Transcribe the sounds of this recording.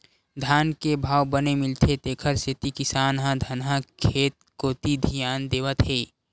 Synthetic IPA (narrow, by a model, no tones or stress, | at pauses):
d̪ʱaːnkebʱaːwbənemɪlt̪ʰet̪eːkʰəɾset̪ikɪsaːnɦãd̪ʱənɦãkʰeːt̪̚koːt̪id̪ʱijaːnd̪eːʋət̪ɦeː